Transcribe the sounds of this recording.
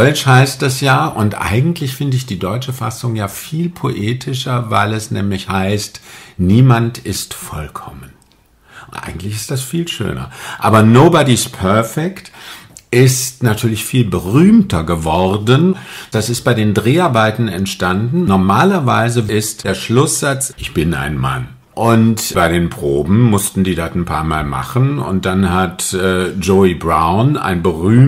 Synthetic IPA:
d̥ɔʏt͡ʃhaɪst̚d̥asjaːʔʊntʔa̰ɪɡŋ̩tʰlɪçfɪndəɪçd̥iːdɔʏt͡ʃəfa̰sʊŋjaːfiːlpʰoʔeːtʰɪʃɐva̰ɪlɛsnɛːmlɪçhaɪstniːmantɪstfɔ̰lkʰɔmən | ʔʊnʔa̰ɪɡŋ̩tlɪçɪstd̥asfiːlʃø̰ːnɐ̰ʔa̰ːbɐnoːbɔdispʰœɐfɛktʔɪstnatʰyːɐlɪçfiːlbəʁyːmtɐɡəvɔʁdənd̥asɪst̚b̥aɪdeːndʁeːaɐbaɪtn̩ɛntʃtandn̩nɔɐmaːlɐvaɪzəɪstd̥eːɐʃlʊsz̥at͡sʔɪçb̥ɪna̰ɪnma̰n | ʔʊntbaɪɾeːnpʁ̥oːbm̩mʊstn̩diːdatnpʰa̰ːɐma̰ːlma̰χənʊ̰nt̚d̥anɦatʔɛːd͡ʒoibʁaʊna̰ɪnbəʁyːm

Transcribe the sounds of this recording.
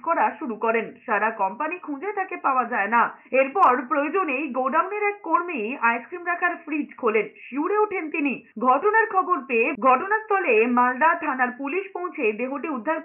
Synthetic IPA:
kɔɾaʃuɾukɔɾenʃaɾakɔmpanikʰũd͡ʑet̪ʰakepaoad͡ʑaenaeɾpɔɾpɾojod͡ʑonejɡoɖawneɾɛkːoɾmijajskɾimɾakʰaɾfɾid͡ʑkʰolenʃiuɽeoʈʰent̪iniɡʱɔʈonaɾkʰɔboɾpeeɡʱɔʈonast̪ʰɔlemalɖat̪ʰanaɾpuliʃpõw̃t͡ɕʰed̪eɦoʈiud̪ʱːaɾ

